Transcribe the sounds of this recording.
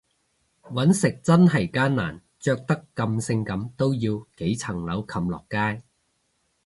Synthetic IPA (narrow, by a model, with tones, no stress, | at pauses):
wɐ˨˥nsɪ˨k̚t͡sɐ˥nɦɐ˨˩jkaː˥nna̰ː˨˩n | t͡ʃœː˧k̚t̪ɐ˥kːɐ˧msɪ˧ŋkɐ˨˧˥mt̪o˥wjiː˧wke˨˥jt͡sʰɐ˨˩ŋlɐ˨˥wkʰɐ˧mlɔ̰ː˨˩kːaː˥j